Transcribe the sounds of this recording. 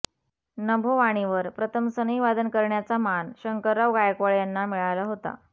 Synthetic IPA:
nəbʱoʋaɽ̃iʋəɾpɾət̪ʰəmsəniʋad̪ʱənkəɾɳjat͡samanɕəŋkəɾaʋɡajəkʋəɭjanːamiɭajlaɦot̪a̰

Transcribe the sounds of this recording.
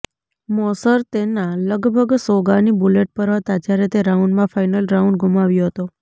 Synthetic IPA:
mɔsəɾt̪enaləɡbʱəɡsoɡanibuleʈ̚pəɾɦət̪ad͡ʒjaɾet̪eɾauɳɖmãfainəlɾauɳɖɡumaʋjoɦət̪o

